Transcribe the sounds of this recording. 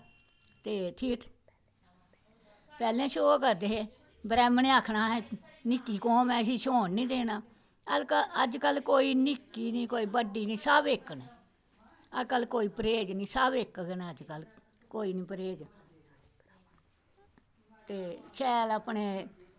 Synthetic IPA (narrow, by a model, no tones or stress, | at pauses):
t̪eːt̪ʰiːʈʰ | pɛːlẽːʃoːkəɾd̪eːɦeː | bɾɛːmənẽːaːkʰnaːɦɛ̃ː | nɪkːiːkɔ̃ːmɛ̃ːɪsiːʃoːnːĩːd̪eːnaː | əd͡ʒkəəd͡ʒkəlkoːiːnɪkːiːnĩːkoːiːbəɖiːnĩːsəbekːnɛ | əkəlkoːiːpɾeːd͡ʒnĩːsəbekːɡnaːəd͡ʒkəl | koːiːnĩːpəɾeːd͡ʒ | t̪eːʃɛːləpɳeː